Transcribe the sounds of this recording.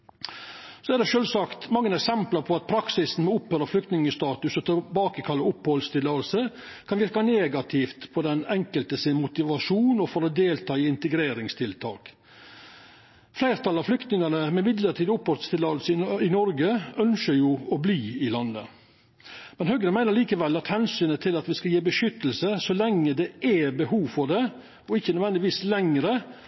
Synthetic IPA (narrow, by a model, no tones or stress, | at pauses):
sɔɛɾd̪ɛʃøːlsɑkt̪mɑŋːənɛksɛmplɑɾpʰɔɑt̪̚pʰɾɑksɪsn̩mɛʊphøːɾəflʏkt̪nɪŋəst̪ɑːt̪ʉsɔt̪ʰɛbɑːkəkʰɑlːəʊphɔlst̪ʰɪlɑlsə | kʰɑnʋɪɾkɑneːɡɑt̪ʰɪft̪pʰɔd̪ɛnɛŋkəlt̪əsɪnmʊt̪ɪʋɑʂuːnɔfɔɾɔd̪eːlt̪ʰɑːɪɪnt̪əɡɾeːɾɪŋst̪ʰɪlt̪ʰɑ̰ːk | flæɪɾt̪ʰɑlɑʋflʏkt̪nɪŋɑnəmɛɪmɪd̪ləɾʈʰiːd̪ʊpːɔɾt̪st̪ɪlɑːd̪l̩səɪnɔɾɡəœnʃəɾjuːɔbliːɪlɑnːə̰ | mɛnɦœɡəmæɪnəɾɭiːkəʋɛlːɑt̪hɛnsyːnət̪ʰɪlɑt̪ʋɪskɑljiːbəʂʏt̪ːəl̩səsɔlɛŋːəd̪ɛʔæbəɦuːʋfɔɖɛ | ɔɪçːənœʋɛnd̪ɪʋiːslɛŋɾə